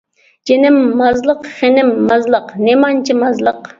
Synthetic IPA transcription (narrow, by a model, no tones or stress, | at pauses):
d͡ʒenɪmːɑzlˠəqχenɪmːɑzlˠəqnemɑnt͡ʃʰimɑzlˠəq